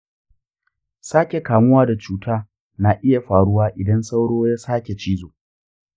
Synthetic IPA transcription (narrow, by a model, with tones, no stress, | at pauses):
saː˦kʲe˨kaː˨mʊ˦waː˦da˨t͡ʃuː˨tʰaː˦ | na˨ʔɪ˦ja˨ɸaː˨ɽʊ˦waː˦ʔɪ˨dɐ˦nsa˦wɽoː˦jaː˦saː˦kʲe˨t͡ʃiː˦zoː˨